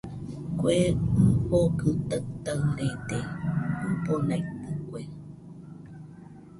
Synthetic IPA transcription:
kʷepokɨt̪at̪aɨɾet̪eɨponajpɨkʷe

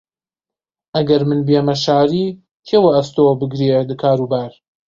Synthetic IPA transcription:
ʔɐɡɐɾmɨnbjemɐʃaːɾiː | kʰewɐɐst̪obɨɡɾed̪ɨkʰaːɾuːbaːɾ

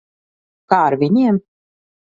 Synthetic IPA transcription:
kaːɾvʲinʲiɛm

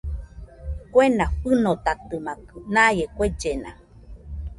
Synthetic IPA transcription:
kʷenaɸɨnot̪at̪ɨmãkɨnajekʷed͡ʒena̰

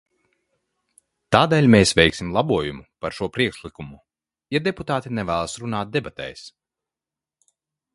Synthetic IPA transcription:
t̪aːd̪ɛːlʲmeːsvɛjksʲimlˠabuɔjumupaɾʃuɔpɾiɛkʃlˠikumu | jad̪ɛput̪aːt̪inɛvæːlˠsɾunaːt̪̚d̪ɛbat̪ɛ̰js

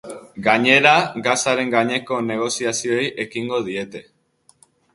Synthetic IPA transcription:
ɡaɲe̞ɾaɡasaɾe̞ŋɡaɲe̞ko̞ne̞ɣ̞o̞siasio̞jʔe̞kiŋɡo̞ð̞ie̞t̪e̞

